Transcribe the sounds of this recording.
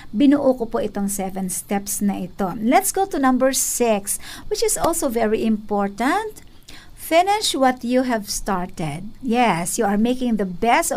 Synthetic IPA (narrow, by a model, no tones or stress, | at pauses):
bɪnuʔuːkopoʔɪt̪oŋsɛvɛnst̪ɛpsnɐʔɪt̪olɛt̪sɡ̥owt̪ʊnɐ̃mbɛɹsɪkswɪt͡ʃɪsʔɔlsovɛɹiʔɪ̃mpɔɹt̪ɐ̃nt̪̚ | fɪnɪʃwɐt̪juɦɛvst̪ɑɹt̪ɛd̪̚jɛsjuɐɹmejkɪ̃ŋd̪ɐbɛst̪